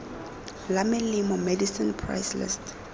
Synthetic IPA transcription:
lamɛlimɔmɛdisinpʰɹa̰jslḭst

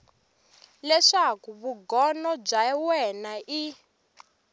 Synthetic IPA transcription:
lɛʂakuβuɡɔnɔb͡ʐawɛnaʔi

